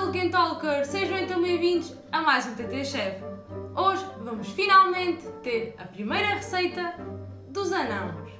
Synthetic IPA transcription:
lˠkẽnt̪ɔlˠkɐɾseʒɐ̃ẽj̪t̪ɐ̃mɐ̃j̃vĩnd̪uʃ | ɐmajzũt̪et̪eʃɛfoʒvɐmuʃfinalˠmẽnt̪ːeɾɐ̰pɾimɐjɾɐʁɨsɐjt̪ɐ | ðuzɐnɐ̃w̃ʃ

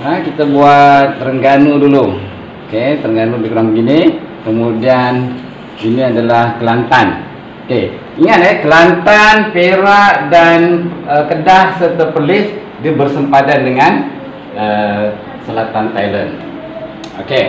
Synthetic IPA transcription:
əkit̪abuat̪̚rəŋɡanudulu | oket̪ɾəŋɡanubikuɾaŋbɡini | kəmudian | iniadalahkəlant̪an | oke | iŋat̪̚ɛkəlant̪anpeɾaʔdanəkədahsərt̪apərlɪs | diəbərsəmpadandəŋan | ə | səlat̪ant̪ajlən | oke

